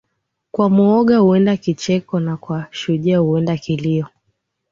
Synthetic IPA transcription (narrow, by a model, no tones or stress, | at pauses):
kwamuɔɠahuɛndakit͡ʃɛkɔnakwaʃuʄahuɛndakiliɔ